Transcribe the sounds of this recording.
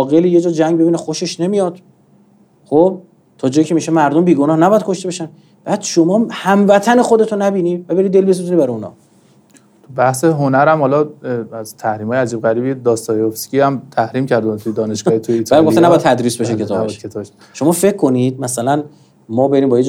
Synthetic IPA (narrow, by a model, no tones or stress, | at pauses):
ɣeliːje̞d͡ʒɒːd͡ʒæŋɡbe̞biːnexoʃe̞ʃne̞mijɒːd̪̥ | χob̚ | t̪ʰɒːd͡ʒɒːjicʰemiʃemæɾd̪ombiːɡonɒːhnæbɒjæd̪̚kʰo̞ʃt̪e̞beʃæn | b̥æːd̪̥ʃo̞mɒːhæmvæt̪ʰæne̞xod̪e̞t̪ʰunæbiːnivæbe̞ɾid̪e̞lbes̬zunibæɾɔjuːnɒ̰ | t̪ʰubæhseɦonæɾæmhɒlɒæzt̪ʰæhɾiːmhɒːjeæd͡ʒib̚ɣæɾiːbid̪ɒːst̪ɒːhiofskiæmt̪ʰæhɾiːmcʰæɾd̪t̪ʰujed̪ɒːneʃɡ̥ɔːhit̪ʰujit̪ʰælimɡofenæbjæt̪t̪ʰæd̪ɾiːsbeʃekʰeɒːbʃ̚kʰet̪ʰːbeʃ | ʃo̞mɒːfe̞kʰːo̞nid̪̥̚mæsælæn | mɒːbe̞ɾiːmbɒːjed͡ʒ